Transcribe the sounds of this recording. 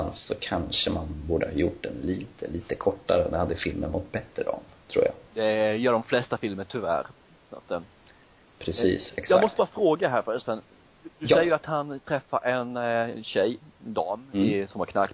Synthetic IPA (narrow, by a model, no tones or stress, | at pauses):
ansɔkʰanʂəmanbuːɖəhɑjʊʈ̚ːd̪ɛnliːt̪ʰəliːt̪əkʰɔʈːaɾəd̪ɛhad̪ːəfɪlmə̰nmʊt̪̚bɛt̪ːɾəd̪ɑ̰ːmt̪ʰɾṵːɾja̰d̪ɛjœːɖɔmflɛst̪afɪlməʈʰʏvæ̰ːɾ | sa̰t̪ː | pʰɾɛsiːsɛksjɑɡamɔst̪əbɑːɾafɾoːɡadɛɦæːɾfœɾst̪ən | d̪ɵɛjːəɾat̪hant̪ʰɾɛfːaɾʔɛnɕɛjd̪ɑːmɪsɔmhaɾkʰnak